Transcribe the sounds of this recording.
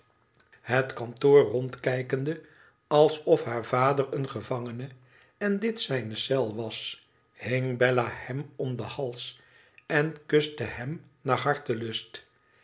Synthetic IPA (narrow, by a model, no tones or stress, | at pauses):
ɦətkɑntoːɹrɔntkɛjkəndə | ɑlˠsɔfɦaːɹv̥aːdərənχəvɑŋənə | ɛndɪtsɛjnəsɛlˠʋɑs | hɪŋbɛlahɛmɔmd̪əhɑlˠs | ɛnkɵstəhɛm | naːɹɦɑɹtəlɵst